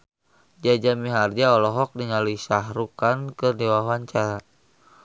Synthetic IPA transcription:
d͡ʒad͡ʒamiɦard͡ʒaɔlɔɦɔk̚diŋalisaɦɾukankɨrniwaɦwaɲt͡ʃaɾa

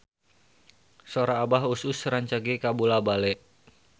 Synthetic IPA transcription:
soɾaːbaɦususɾaɲt͡ʃaɡikabulabalɛʔ

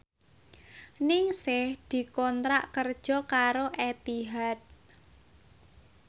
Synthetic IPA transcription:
nɪŋsɪhd̪̥i̤kɔnt̪ɾa̰ʔkərd̥ʒ̥ɔ̤kaɾoʔɛt̪iɦat̪̚

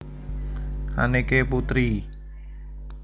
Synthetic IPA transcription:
ʔa̰nekeput̪ɾi

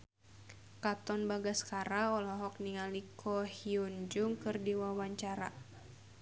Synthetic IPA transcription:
kat̪ɔnbaɡaskaɾaɔlɔɦɔk̚niŋalikʰɔhiund͡ʒʊŋkɨrdiwawaɲt͡ʃaɾa̰

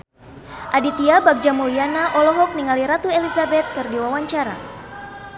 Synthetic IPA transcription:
ʔadit̪iabak̚d͡ʒamulianaʔɔlɔɦɔk̚niŋaliɾat̪uelizabɛt̪̚kɨrdiwawaɲt͡ʃaɾa̰

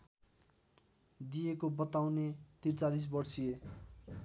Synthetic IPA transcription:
d̪ijekobʌt̪awnet̪irt͡salis̬bʌrsije

